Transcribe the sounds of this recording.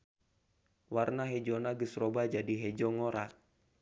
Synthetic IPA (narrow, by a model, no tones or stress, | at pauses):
warnaɦɛd͡ʒɔnaɡəsrɔbad͡ʒadiɦɛd͡ʒɔŋɔɾak̚